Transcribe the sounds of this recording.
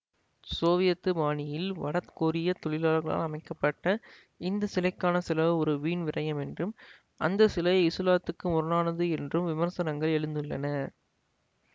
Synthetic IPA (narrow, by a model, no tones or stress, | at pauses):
soːʋɪjɐt̪ːɯmaːnɪjɪlʋɐ̰ɽɐt̪koːɾɪjɐt̪ːɔɭɪlaːlɣɐɭa̰ːlɐmɐɪkːɐpːɐʈːɐ | ɪnd̪ɐsɪlɐɪkːaːnɐsɪlɐʋɯɔɾɯʋiːnʋɪrɐjɐmɛndrɯm | ʔɐ̰nd̪ɐsɪlɐjɪsɯlaːt̪ːɯkːɯmʊɾɯnaːnɐðɯɛndrɯmʋɪmɐɾsɐnɐŋɡɐɭɛɻɯnd̪ɯɭːɐ̰nɐ